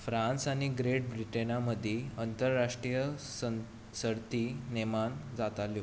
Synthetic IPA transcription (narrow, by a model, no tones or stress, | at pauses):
fɾãnsañiɡɾeʈ̚bɾiʈenaməd̪ʱːeənt̪əɾːaʂʈɾijə | səɽt̪inemand͡zat̪aljo